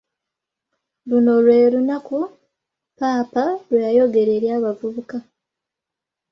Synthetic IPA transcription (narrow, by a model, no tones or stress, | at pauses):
luno̞lwe̞ːɾunaku | paːpalwejajo̞ɡe̞ɾeɾjaːβavuβuka